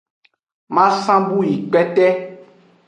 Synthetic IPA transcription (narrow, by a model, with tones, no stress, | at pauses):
mã˦sã˦bu˦ji˨k͡pɛ˦tɛ˦